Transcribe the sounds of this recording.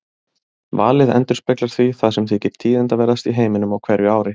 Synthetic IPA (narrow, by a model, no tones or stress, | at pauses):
va̰ːlɪðɛ̰nt̪ʏɾspɛklaɾ̥θviθaðsɛmθɪcɪɾ̥t̪ʰːiːðɪnt̪avɛːɾast̪iɦeːjmɪnʏmawkʰvɛːɾjʏaːwɾɪ